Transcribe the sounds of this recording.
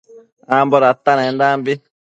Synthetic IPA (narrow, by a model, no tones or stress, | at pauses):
ambɔɾat̪ːanɛndaːmbi